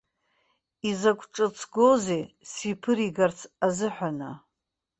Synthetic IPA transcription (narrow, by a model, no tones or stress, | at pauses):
izakʷʼʈ͡ʂʼɨt͡sʰɡoze | sipʰɨɾiɡart͡sʰazɨħʷᶣana̰